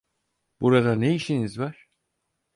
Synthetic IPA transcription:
b̥uɾad̪aneiʃinizvaɾ̥

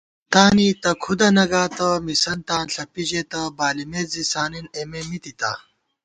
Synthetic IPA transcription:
t̪aːnit̪ɐkʰud̪ɐnɐɡaːt̪ɐmisɐnt̪aːnɬɐpiʑet̪ɐbaːlimeːzisaːninememit̪it̪a̰

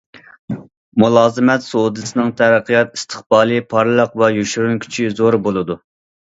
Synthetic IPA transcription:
mulˠɑːzɨmɛt̪soud̪ɨsɨnɨŋt̪ʰæɾəqʰijɑt̪ist̪ʰə̥χbɑːlˠɨpʰɑɾlˠəqvɛjyʃyɾunkʲʰy̥t͡ʃʰizoɾbolˠɨd̪u

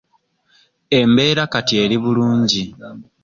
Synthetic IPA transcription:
e̞mbe̞ːɾakatie̞ːliβuluːɲɟi

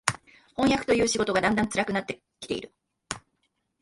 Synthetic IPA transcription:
hõɰ̃jakɯ̟̥t̪o̞jɯ̟ːɕiɡo̞t̪o̞ɡad̪ãnd̪ãnt͡sɨɾakɯ̟nat̪ːe̞ | kʲi̥t̪e̞ḭɾɯ̟

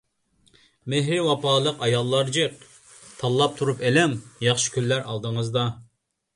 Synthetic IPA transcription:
meɦɾɪwɑpɑːlˠəqɑjɑlˠːɑɾd͡ʒɨq | t̪ʰɑlˠːɑp̚t̪ʰuɾupelɛŋjɑχʃɪ̥kʲylːæɾʔɑlˠd̪əŋəzd̪ɑ

